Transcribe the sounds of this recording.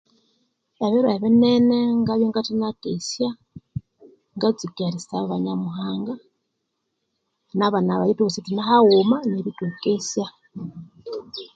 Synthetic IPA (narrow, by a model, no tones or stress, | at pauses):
aβeɾwaeβeneneŋɡaβjoŋɡatinakesja | ŋɡat͡sikaɾisaββaɲamuɦaːŋɡa | naβanaβajitukusitinahawumaneβitukesja